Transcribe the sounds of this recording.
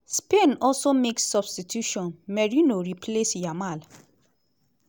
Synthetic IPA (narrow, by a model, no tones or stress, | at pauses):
spenɔlsomeksːɔbstitʰjuʃɔ̃nmɛɹinoɾipʰlesjamal